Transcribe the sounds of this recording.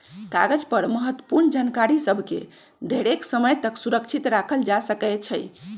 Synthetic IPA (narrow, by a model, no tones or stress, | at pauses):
ka̰ɡəd͡ʒpəɾməɦət̪wəpuɾnd͡ʒankaɾisəbʱkḛ | d̪ʱeɽeksəməjt̪əksuɾəkt͡ʃʰit̪ɾakʰəld͡ʒasəkɛt͡ʃʰəj